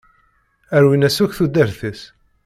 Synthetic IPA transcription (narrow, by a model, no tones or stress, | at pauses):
æɾwinæsuçθud̪əɾθəs